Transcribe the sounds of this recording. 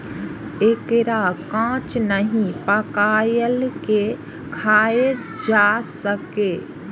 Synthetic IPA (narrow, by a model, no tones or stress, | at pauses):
ekɾakãːt͡ʃnəɦĩpəkaːjəlke | kʰaːe | d͡ʒaːsəkeː